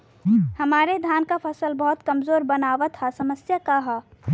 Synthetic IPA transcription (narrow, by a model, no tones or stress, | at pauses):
hɐmaːɾed̪ʱjaːnkapʰəsəlbɔɦʊt̪kɐmzoːɾbənaːʋat̪ʰasɐməsjakaɦa